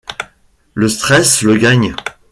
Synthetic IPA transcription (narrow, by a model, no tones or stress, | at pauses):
ləst̪χɛsləɡaɲ